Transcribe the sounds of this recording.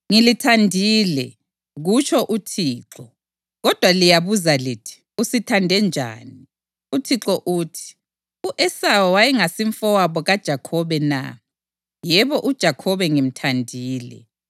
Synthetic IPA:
ŋilitʰandʱiːlɛ | ɣut͡ʃʰɔʔutʰiːǁɔ | ɣɔd̥ʱwalijaβuzalitʰi̥ | usitʰandʱɛnd͡ʒʱa̰ːni | utʰiǁɔʔutʰi̥ | uʔɛsawɔwajɛŋasiɱfɔwaβɔɣad̥ʒ̥ʱakʰɔβɛna̰ | jɛβɔʔud̥ʒ̥ʱakʰɔβɛŋim̩tʰandʱiːlɛ̰

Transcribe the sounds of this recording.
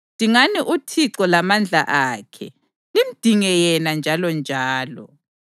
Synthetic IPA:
d̥ʱiŋaniʔutʰiǀɔlamand͡ɮʱa̰ʔaːkʰɛ | lim̩d̥ʱiŋɛjɛnand͡ʒʱalɔnd͡ʒʱaːlɔ̰

